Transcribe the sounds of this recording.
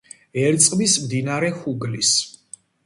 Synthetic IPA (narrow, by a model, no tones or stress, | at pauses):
ɛɾt̪sʼqʼmismd̪inaɾɛhuɡlis